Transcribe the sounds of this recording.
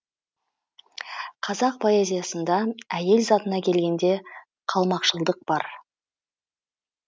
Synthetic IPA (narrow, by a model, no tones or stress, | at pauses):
qʰɑzɑq̚pʰo̞e̞zʲijasənd̪ɑæje̞lzɑt̪ənɑkʲʰe̞lɡʲe̞nd̪e̞ | qʰɑlˠmɑqʃəlˠd̪əq̚b̥ɑɾ